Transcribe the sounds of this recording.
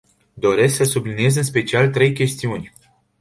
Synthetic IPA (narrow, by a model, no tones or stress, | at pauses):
d̪o̞ɾe̞sksəsublinije̞zɨnspe̞t͡ʃialt̪ɾe̞jkʲe̞st̪iunʲ